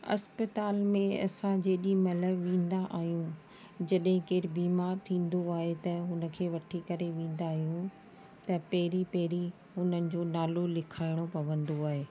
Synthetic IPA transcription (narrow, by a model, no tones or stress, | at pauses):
ɐ̰spət̪aːlmẽɐ̰sãd͡ʑeːɗimɐləbʋẽːn̆d̪aʔaːɦijũ | d͡ʑɐɗɦɪ̃keːɾbiːmaːɾt̪ʰĩːn̆d̪oaːɦet̪ɐɦʊnə̆kʰeːʋɐʈʰikɐɾeʋẽːn̆d̪aːɦijũ | t̪ɐpɐɦɾipɐɦɾi | ɦʊnənɪ̆d͡ʑoːnaːlolɪkʰaːɪɽ̃opɐʋə̃nd̪oaːɦeː